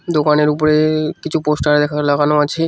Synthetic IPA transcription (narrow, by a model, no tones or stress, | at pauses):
d̪okaneɾup̬oɾekit͡ɕʰuposʈaɾd̪ɛkʰalaɡanoat͡ɕʰe